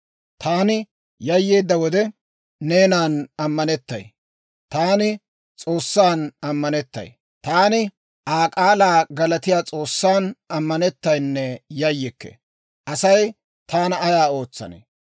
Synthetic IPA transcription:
t̪ʰaːnɪ | jɐjːeːd̪ːɐwɔd̪ɛ | ne̞ːnaːnɐmːɐnɛt̪ːɐ̰j | t̪aːnɪ | t͡sʼo̞ːsːaːnɐmːɐnɛt̪ːɐ̰j | t̪aːnɪ | ʔaːkʼaːlaːɡɐlɐt̪ɪjaːt͡sʼo̞ːsːaːnɐmːɐnɛt̪ːɐjnːɛjɐjːɪkːḛ | ʔɐsɐj | t̪ʰaːnɐːjaːo̞ːt͡sːɐ̰nḛ

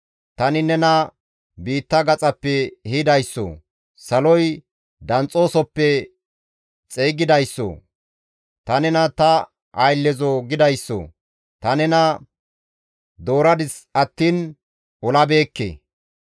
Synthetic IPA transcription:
t̪ɐnɪnɛnɐ | biːt̪ːɐɡɐt͡sʼɐpːɛhɪd̪ɐjsːɔ̰ | sɐlɔj | d̪ɐnt͡sʼːo̞ːsɔpːɛ | t͡sʼeːɡɪd̪ɐjsːɔ̰ | t̪ɐnɛnɐt̪ɐ | ʔɐjlːɛzɔɡɪd̪ɐjsːɔ̰ | t̪ɐnɛnɐ | d̪o̞ːɾɐd̪ɪsɐt̪ːiːn | ɔlɐbe̞ːkːḛ

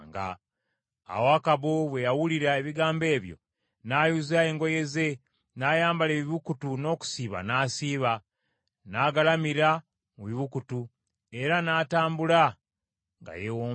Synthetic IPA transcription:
ŋɡa̰ | a̰wakaβoβwe̞jawuliɾaeβiɡaːmbe̞ːβjo̞̰ | naːjuzae̞ːŋɡo̞je̞ze̞ | naːjaːmbaleːβiβukutuno̞ːku̥siːβa̰naːsiːβa | naːɡalamiɾa | muβiβukutu | e̞ɾanaːtaːmbula | ŋɡa̰jewo

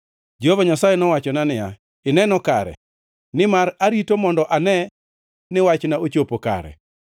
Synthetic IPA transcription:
d͡ʒehovaɲasajɛnɔwat͡ʃɔnanɪja | ɪnɛnɔka̰ɾɛ̰ | nɪmaɾaɾitomɔndɔʔanɛ | nɪwat͡ʃnaot͡ʃopoka̰ɾɛ̰

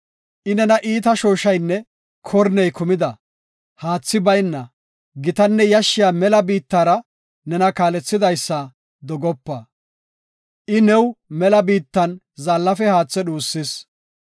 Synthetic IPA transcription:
ʔɪnɛnɐʔiːt̪ɐʃoːʃɐjnːɛ | kʰɔɾnɛjkʊmɪd̪ɐ | haːt͡sːɪbɐjnːɐ | ɡɪt̪ɐnːɛjɐʃːɪjaːmɛlɐbiːt̪ːaːɾɐ | nɛnɐkaːlɛt͡sːɪd̪ɐjsːɐ | d̪ɔɡɔpːɐ | ʔɪnɛwmɛlɐbiːt̪ːɐn | zaːlːɐfɛhaːt͡sːɛɗuːsːɪs

